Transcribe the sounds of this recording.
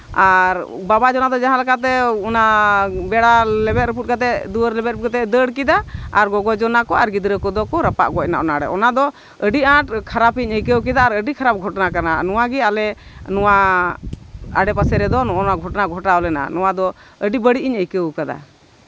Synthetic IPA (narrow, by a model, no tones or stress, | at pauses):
aɾ | babad͡ʒɔnad̪ɔd͡ʒaɦãlakat̪̬ɛunabɛɽalɛbɛt̪̚ɾəp̬ut̪̚kat̪ɛʔd̪uəɾlɛbɛt̪̚ukat̪ɛʔd̪əɽkid̪aːɾɡɔɡɔd͡ʒɔnakɔaɾɡid̪ɾəkɔd̪ɔkɔɾəpa̰ʔɡɔc̚na̰ʔɔnaɽɛ̰ʔɔnad̪ɔ | əɖiãʈkʰaɾapiɲəjkəwk̬id̪aːɾəɖikʰaɾap̚ɡʱɔʈnakana̰nɔwaɡɛalɛnɔwa | aɖɛpasɛɾɛd̪ɔnɔnaɡʱɔʈnaɡʱɔʈaɔlɛna̰nɔwad̪ɔəɖibəɽiʔiɲəjkəwkad̪a̰